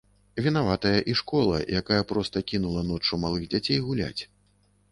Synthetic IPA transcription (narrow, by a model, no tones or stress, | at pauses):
vʲinavat̪ɐjɐʔiʂkɔlˠɐ̰jakajɐpɾɔst̪ɐkʲinulˠɐnɔt͡ʂumalˠɨɣd͡zʲat͡sʲejɣulʲa̰t͡sʲ